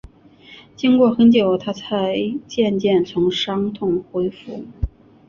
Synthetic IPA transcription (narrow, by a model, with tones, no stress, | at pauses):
t͡ɕi˥ŋkwɔ˥˩xə˧˥nt͡ɕjo˨˩ʊt̪ʰa˥t͡sʰa˧˥ɪt͡ɕjɛ˥˧nt͡ɕjɛ˥˩nt͡sʰʊ˧˥ŋʂɑ˥ŋt̪ʰʊ˥˩ŋxwe˥ɪfṵ˥˩˦